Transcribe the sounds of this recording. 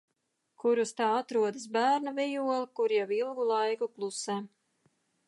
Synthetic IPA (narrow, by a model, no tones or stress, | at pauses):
kuɾust̪aːat̪ɾuɔd̪as̬bæːɾnavʲɛjuɔlˠkuɾjɛwilˠɡulˠajkuklˠusɛ